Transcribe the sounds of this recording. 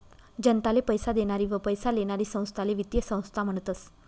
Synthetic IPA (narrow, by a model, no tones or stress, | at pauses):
d͡ʑənt̪alepəjsad̪eɽ̃aɾiːʋəpəjsaleɽ̃aɾiːsə̃w̃st̪ʰaleʋit̪jəsə̃w̃st̪ʰam̤əɳ̃t̪əs